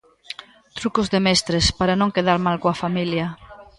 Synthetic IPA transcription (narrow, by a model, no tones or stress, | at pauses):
t̪ɾukʊzðemɛst̪ɾespaɾanõŋkeðaɾmalkoafamiljɐ